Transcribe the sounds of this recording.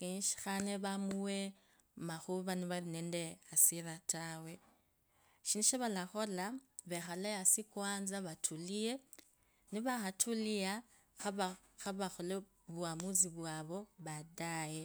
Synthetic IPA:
keiʃi̥xaneβamuwe | maxuβaniβarinendeasiɾatawe̞ | ʃiniʃeβalaxo̞laβexalejasikwaːnzaβatʰulije̞ | niβaxatʰulia | xaβa | xaβaxole | βuamuziβwaβo̞βadaje

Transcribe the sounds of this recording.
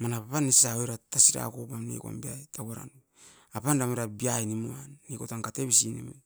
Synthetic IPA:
manapapanːisisaojɾatasiɾa̰kopamnḭkoa̰mbiajtʰaɡaɾa̰nu | apandamoɾabiajnimuanːikotaŋkate̞βisinḭme

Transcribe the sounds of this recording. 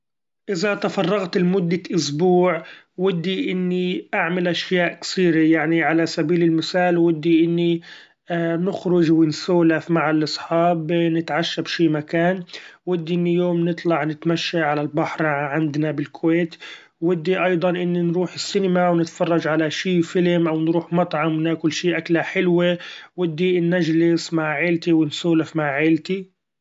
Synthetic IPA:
ʔɪzat̪afɑrˤːɑɣt̪ɪlmʊd̪ːaʔʊsbuːʕ | wɪd̪ːiʔɪnːiʔaʕmalʔaʃjaːʔkθiːɾajaʕniʕalasabiːlɪlmɪθaːlwɪd̪ːiʔɪnːi | nʊxɾʊʒwɪnsoːlafmaʕalʔɑsˤħɑːbnɪt̪ʕaʃːabʃiːmakaːnwɪd̪ːiʔɪnːijoːmnɨt̪ˤlɑʕnɪt̪maʃːaʕalalbaħɾʕɪnd̪nabɪlkʰweːt̪ː | ɪd̪ːiʔɑjd̪ˤɑnʔɪnːinɾuːħɪsːɪnɪmawnɪt̪fɑrˤːɑd͡ʒʕalaʃiːfɪlmʔawnɾuːħmɑt̪ˤʕɑmwnaːkʊlːʃiːʔaklaħɪlwewɪd̪ːinːaʒlɪsmaʕʕɪːlt̪iwɪnsuːlafmaʕʕeːlt̪i

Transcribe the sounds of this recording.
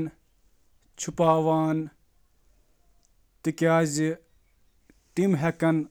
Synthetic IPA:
n | t͡ʃʰupaːʋaːn | t̪ikaːzi | ʈimɦɐkɐn

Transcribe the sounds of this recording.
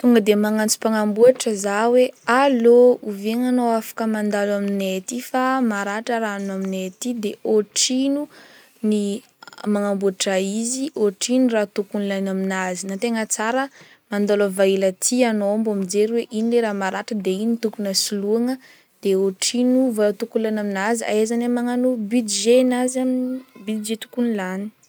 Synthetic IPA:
t̪uŋɡəd̪emaŋant͡su̥paŋambuaʈ͡ʂəzawealouviŋanowafḁkəmand̪alaminet̪ifamaɾaʈ͡ʂəɾanaminet̪id̪eoʈ͡ʂinu | ni | maŋambuaʈ͡ʂaiziʔoʈ͡ʂinurat̪ukunilajnaminazinat̪eŋət͡saɾə | mand̪alavailat̪ʰianoambamid͡zeɾiweʔinileɾamaɾaʈ͡ʂəd̪einit̪ukunəsiluaŋə | d̪̥eoʈ͡ʂinuvat̪ukulanaminazia̰ezanamaŋanubyd̪iʒenazamnbyd̪id͡ʒet̪u̥kunilani̥

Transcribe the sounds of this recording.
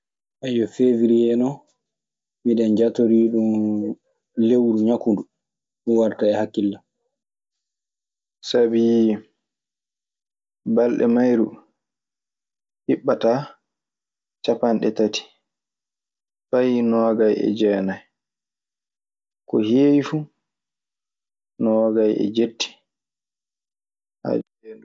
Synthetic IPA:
ʔajːɔfeviɾiɛnɔ | miɗɛnd͡ʒatoɾiɗum | lewɾuɲakundu | miwaɾtaɛhakːilːa | sabi | balɗɛ̰majɾu | hiɓːata | t͡ʃapanɗɛtati̥ | fajnɔɡajɛ̰d͡ʒɛːnaj | kɔheːwifu | nɔɡajɛ̰d͡ʒetːi̥ | ha̰

